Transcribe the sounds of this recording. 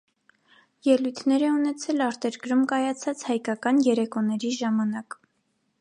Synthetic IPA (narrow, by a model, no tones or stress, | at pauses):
jɛlujt̪ʰnɛɾɛunɛt͡sʰɛlɑɾt̪ɛɾɡɾumkɑjɑt͡sʰɑt͡shɑjkɑkɑnjɛɾɛkɔnɛɾiʒɑmɑnɑk